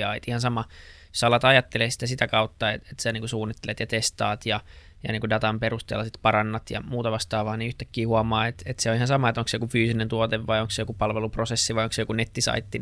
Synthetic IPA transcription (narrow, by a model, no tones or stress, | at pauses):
ɑːḛt̪ihɑnsɑmɑ | sɑlɑt̪ɑjɑt̪ːelesi̥t̪æsit̪ækɑut̪ːɑet̪et̪sæniːŋkusuːnːit̪ːelet̪jɑt̪est̪ɑːt̪jɑ | jɑ̰niːŋkudɑt̪ɑmperust̪ḛːlːɑsit̪pɑrɑnːɑt̪jɑ̰muːt̪ɑʋɑst̪ɑːʋɑːnniyht̪ækːiːhuɑmɑːet̪et̪seoihɑnsɑmɑet̪oŋksejokufyːsinent̪uot̪eʋʋɑjoŋksejokupɑlʋeluprosesːiʋɑjoŋksejokunet̪ːisɑ̰it̪ːin